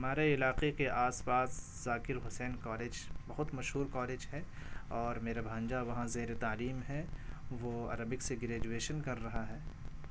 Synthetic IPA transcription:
ɐmaːɾeɪlaːqekeʔaːspaːs | zaːkɪɾɦʊsɛːnkɔːleːd͡ʒbɐɦʊt̪mɐʃɦuːɾkɔːleːd͡ʒɦɛ | ɔːɾmeːɾabʱãːnd͡ʒaʋɐɦãzeːɾet̪aːliːmɦɛʋoːɐ̰ɾəbɪkseɡɾeːd͡ʒueːʃənkɐɾːɐɦaɦɛː

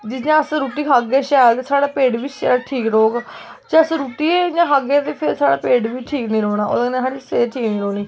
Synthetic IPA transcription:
d͡ʒɪsjãːəsɾuːʈiːɦaːɡeːʃɛːt̪ːsaːɽaːpeːɖʋiːʃɛːʈʰiːkɾoːɡ | d͡ʒeəsɾuːʈiːejãːɦaɡet̪eːpʰɪɾsaːɽaːpeːɖʋiːʈʰiːknĩːɾoːɽaːʔo̰ːləɡneːt̪ʰaːɽiseːɾʈʰiːkniːɾoːɳiː

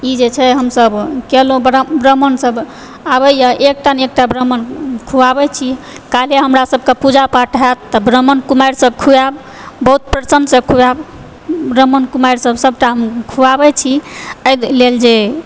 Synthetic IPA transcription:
id͡ʒet͡ʃʰɛɦəmsəbkelobɾbɾəmənsəb | aβəjaʔek̚ʈanekʈabɾəmənkʰuabɛt͡ʃʰi | kaleɦəmɾasəbʱkepud͡ʒapaʈʰɦat̪ːəbɾəmənkumajɾsəbkʰuabː | əɦut̪̚pɾəsənsẽkʰuab | bɾəmənkumajɾsəbsəb̚ʈaɦəmkʰuabɛt͡ʃʰiəj̪leld͡ʒe

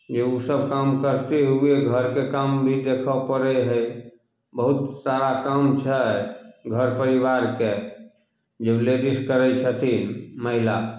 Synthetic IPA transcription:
d͡ʒeusəb̚ʱkamkəɾt̪eɦueɡʱəɾkekambʱid̪ekʰəpəɾɛɦəj | bəɦut̪saɾakamt͡ʃʰɛɡʱəɾpəɾibaɾke | d͡ʒebled̪iskəɾɛjt͡ʃʰət̪ʰinməɦila

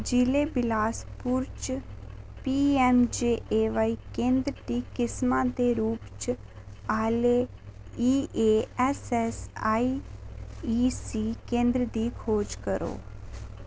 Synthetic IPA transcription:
d͡ʒileːbɪlaːspʊɾt͡ʃ | piːɛmd͡ʒeːʔeːʋaːikẽːnd̪ɾət̪iːkɪsmãːd̪eːɾuːpt͡ʃ | aːle | iːeːɛsɛsaːi | iːsiːkẽːnd̪ɾəd̪iːkʰoːd͡ʒkəɾo̰ː

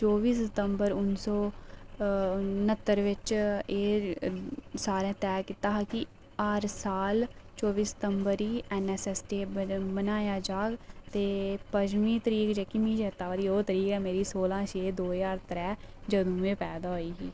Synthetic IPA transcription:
t͡ʃoːʋiːsɪt̪əmbəɾʊnsɔː | nət̪ːəɾʋɪt͡ʃeː | saːɾẽːt̪ɛːkɪt̪aːɦaki | aːɾsaːlt͡ʃoːʋiːsɪ̥t̪əmbəɾiːɛnɛːsɛːsʈeːbənaːjaːd͡ʒaːɡt̪eːpəd͡ʒmĩːt̪əɾiːkd͡ʒɛːkɪmĩːd͡ʒeːt̪ːaːʋaːd̪iːoːt̪əɾiːkɛːmeːɾiːsoːlãːt͡ʃʰeːd̪oːjaːɾt̪ɾɛːd͡ʒəd̪ũːʋẽːpɛːd̪aːɦoːiːɦiː

